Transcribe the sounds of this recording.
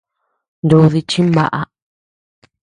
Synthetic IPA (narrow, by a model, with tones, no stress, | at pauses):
nd̪u˧ði˧t͡ʃĩ˦mba̰˦ʔa˧